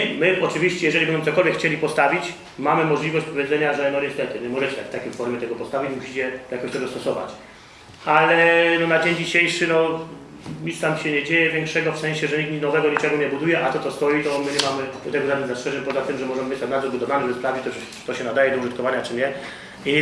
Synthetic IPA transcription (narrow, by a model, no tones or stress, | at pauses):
mɘʔɔt͡ʂɨvʲiɕt͡ɕɛjɛʐɛlʲibɛnmt̪ɔkɔlvʲɛkxʰːt͡ɕelʲipɔst̪avʲit͡ɕ | mamɘmɔʐlʲivɔɕt͡ɕpɔvʲjɛd̪zɛɲaʐɛnɔɲɛst̪ɛt̪ɘɲɛmɔʐɛt͡ɕɛ̥t̪akft̪akʲejfɔɾmʲjɛt̪ɛɡɔpɔst̪avʲit͡ɕmuɕi̥t͡ɕɛjakɔɕt̪ɔd̪ɔst̪ɔsɔva̰t͡ɕ | alɛnɔnad͡ʑeɲd͡ʑiɕejʂɘnɔ | ɲit̪st̪amɕɛɲɛd͡ʑejɛvʲjɛŋkʂɛɡɔfsɛ̃ɲ̃ɕɛʐɛɲik̪̚ɲinɔvɛɡɔɲit͡ʂɛɡuɲɛbud̪ujɛʔat̪ɔt̪sɔst̪ɔjit̪ɔmɘɲɛmamɘd̪ɔt̪ɛɡɔzad̪izastʂɛʐɛɲpɔzat̪ɘmʐɛmɔʐɛmvɨt͡ɕst̪anad̪zɔɾbud̪ɔvanɛzbspɾavd͡ʑit̪ɔ̥ | t̪ɔɕɛnad̪ajɛd̪ɔuʐɨt̪kɔvaɲat͡ʂɘɲɛ | i